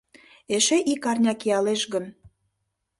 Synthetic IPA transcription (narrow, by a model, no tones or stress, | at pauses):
eʃeʔikɑrnʲɑkijɑleʃɣə̆n